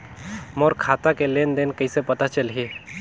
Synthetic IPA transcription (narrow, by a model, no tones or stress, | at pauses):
moɾkʰaːt̪akeleːnd̪enkəisepɐt̪at͡ʃəlɦiː